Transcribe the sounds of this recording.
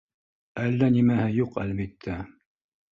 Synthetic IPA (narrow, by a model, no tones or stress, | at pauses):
ælːænimæhɘjuqæ̰lβit̪ʰːæ